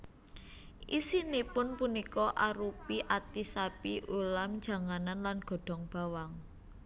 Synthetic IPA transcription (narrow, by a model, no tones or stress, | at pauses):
ʔisinipʊnpunikɔʔaɾupiʔat̪isapiʔulamd̥d͡ʒ̥a̤ŋananlanɡ̥ɔ̤ɖ̥ɔ̤ŋb̥a̤waŋ